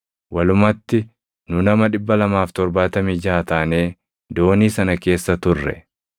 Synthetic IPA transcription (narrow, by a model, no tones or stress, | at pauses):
wɐlʊmɐt̪ːɪ | nʊnɐmɐᶑɪbːɐlɐmaːft̪ɔɾbaːt̪ɐmiːd͡ʒaːt̪aːne̞ː | d̪o̞ːniːsɐnɐke̞ːsːɐt̪ʊrːɛ̰